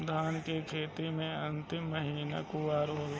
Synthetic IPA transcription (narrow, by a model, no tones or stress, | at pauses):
d̪ʱaːnkekʰeːt̪imẽɐnt̪ɪmːəɦiːnakuaːɾoːl